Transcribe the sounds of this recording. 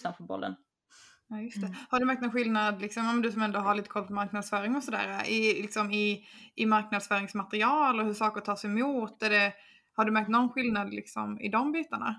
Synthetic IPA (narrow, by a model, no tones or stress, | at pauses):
anfɔbɔ̰lːə̰n | jɑːjɵst̪ɛhaɖɵmæɾkt̪nɔnɧɪlnad̪lɪksɔmjɔmɛnd̪ɵsɔmɛnd̪oːɦaɾliːt̪əkʰɔlpʰɔmaɾknad̪sfœːɾɪŋɔsɔd̪æ̰ːɾaʔɪlɪksɔmɪʔɪmaɾknad̪sfœːɾɪŋsmat̪ɾɪɑːlɔhɵʂɑːkəʈʰɑːʂɛjmuːt̪ɛɖɛ | haɖɵmæɾk̚t̪nɔnɧɪlnad̪lɪ̰ksɔ̰mɪ̰d̪ɔmbiːt̪aɳa̰